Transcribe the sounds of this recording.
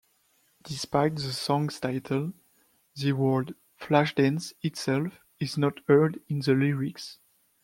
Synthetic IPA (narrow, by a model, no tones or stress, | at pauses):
d̥ispajtðəsɔ̃ŋstaɪtʰəlˠ | ðəwɜ˞d | flaʃdɛ̃nsitsɛlf | ɪznɔtʰɜ˞dĩnðəliɹiks